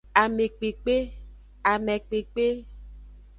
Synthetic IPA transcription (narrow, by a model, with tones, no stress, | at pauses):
a˨me˨k͡pe˨k͡pe˦ | a˨mɛ̃˨k͡pe˨k͡pe˦